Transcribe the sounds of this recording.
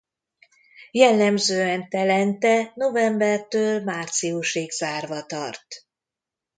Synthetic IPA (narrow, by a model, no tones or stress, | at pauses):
jɛlːɛmzøːɛnt̪ɛlɛnt̪ɛno̞vɛmbɛrt̪øːlmaːrt̪siuʃeɡzaːrvɒt̪ɒ̰rt̪